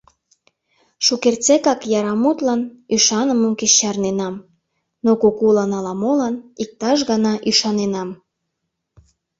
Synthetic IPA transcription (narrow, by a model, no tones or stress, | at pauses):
ʃukert͡sekɑkjɑɾɑmut̪lɑnyʃɑnəməmket͡ɕɑrnenɑm | nokokulɑnɑlɑmolɑnik̚t̪ɑʃ̬ɣɑnɑʔyʃɑnenɑm